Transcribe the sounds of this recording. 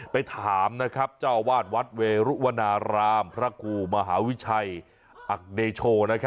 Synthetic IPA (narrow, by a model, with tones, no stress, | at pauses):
pa˧jt̪ʰaː˨˩˦mna˦˥kʰɾa˦˥p̚t͡ɕaː˥˩wwaː˥˩t̪̚wa˦˥t̪̚weː˧ɾu˦˥wa˧naː˧ɾaː˧mpʰɾa˦˥kʰuː˧˩ma˧ɦaː˩˦wi˦˥t͡ɕʰa˧j | ʔa˨˩k̚deː˧t͡ɕʰoː˧na˦˥kʰa˦˥